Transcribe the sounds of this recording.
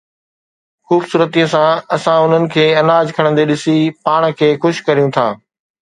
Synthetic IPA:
xuːbsuːɾət̪iːə̃sãɐsãʊn̤ənɪ̆kʰeːɐnaːd͡ʑkʰɐɽ̃ə̃nd̪eɗɪsipaːɽ̃̆kʰeːxʊʃkɐɾijũt̪ʰãː

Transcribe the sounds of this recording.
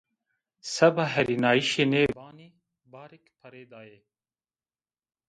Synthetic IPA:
sɐbaɦɐɾinaːiʃeneːbaːni | baːɾɪkpʰɐɾeːd̪aːeː

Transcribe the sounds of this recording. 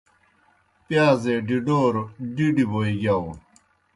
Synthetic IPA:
pjaːzeɖiɖoːɾoɖiɖiboiɡao

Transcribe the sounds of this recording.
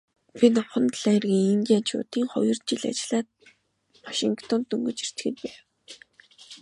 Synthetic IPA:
pinɔχɞ̆nt̪ɮæːrɣiːŋiŋɡʲiaːnt͡ɕʰʊ̰ːt̪iːŋχɔ̰jɞ̆r̥t̪̚t͡ɕiɮa̰t͡ɕɪɮaːt̪̚ | waʃiŋkt̪ʰɔnt̪ɵŋɡɵ̆t͡ɕir̥t͡ɕ̪xɘ̆t̪̚pæːw

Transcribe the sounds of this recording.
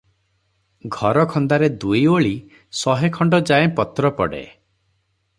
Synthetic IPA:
ɡʱɔɾɔkʰɔnd̪aɾed̪ujoɭi | sɔɦekʰɔɳɖɔd͡ʒaepɔt̪ɾɔpɔɽḛ

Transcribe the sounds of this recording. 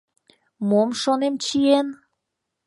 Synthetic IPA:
momʃonemt͡ɕien

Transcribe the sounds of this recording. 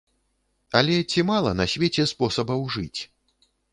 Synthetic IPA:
ɐlʲɛt͡sʲimalˠɐnɐsʲvʲet͡sʲɛspɔsɐbɐwʐɨt͡sʲ

